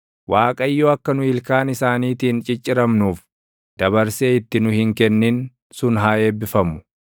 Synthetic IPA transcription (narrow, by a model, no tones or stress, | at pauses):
wʔaːkʼɐɪjːoːɐkːɐnʊɪlkaːnɪsaːniːt̪iːnt͡ʃʼɪt͡ʃʼːɪɾɐmnuːf | d̪̥ɐβɐɾseːɪt̪ːɪnʊhɪŋkɛnːɪn | sʊnɦaːe̞ːbːɪfɐmʊ̥